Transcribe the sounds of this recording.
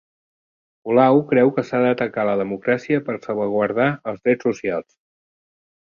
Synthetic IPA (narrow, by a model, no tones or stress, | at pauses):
ulawkɾɛwkəsaðət̪əkaləðəmukɾasiəpəɾsəlˠβəɣ̞wəɾðaəlˠzðɾɛt͡ssːusialˠs